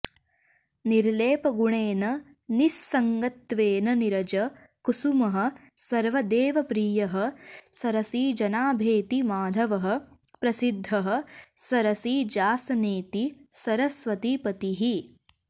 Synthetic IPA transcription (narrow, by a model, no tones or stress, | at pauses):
niɾleːpɐɡuɳeːnɐ | nisːɐŋɡɐt̪ʋeːnɐniɾɐd͡ʒɐ | kusumɐɦɐ̆ | sɐɾʋɐd̪eːʋɐpɾiːjɐɦɐ̆sɐɾɐsiːd͡ʒɐnaːbʱeːt̪imaːd̪ʱɐʋɐɦɐ̆pɾɐsid̪ʱːɐɦɐ̆sɐɾɐsiːd͡ʒaːsɐneːt̪isɐɾɐsʋɐt̪ipɐt̪iɦi